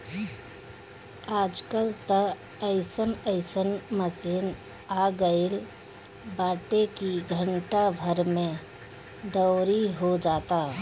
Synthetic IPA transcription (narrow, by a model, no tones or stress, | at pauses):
aːd͡ʒkəlt̪ə | əɪsənəɪsənməsiːn | aːɡəel | baːʈekiɡʱə̃ɳʈabʱəɾmẽ | d̪əːɾiɦod͡ʒaːt̪a